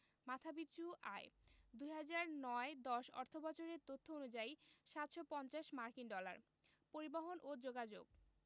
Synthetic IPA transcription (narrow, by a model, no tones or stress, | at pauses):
mat̪ʰabitːɕua̰ed̪ujɦad͡ʑaɾnɔed̪ɔʃɔ̰ɾt̪ʰobat͡ɕoɾeɾt̪ot̪ʰːoonud͡ʑajʃat̪ʃopɔnt͡ɕaʃmaɾkinɖɔla̰ɾ | poɾibaɦonʔod͡ʑoɡad͡ʑo̰ɡ